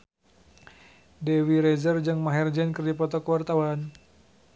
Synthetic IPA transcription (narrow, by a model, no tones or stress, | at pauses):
dɛwiɾɛzərd͡ʒɨŋmaɦɛrd͡ʒɛnkɨrdipɔt̪ɔkəwart̪awan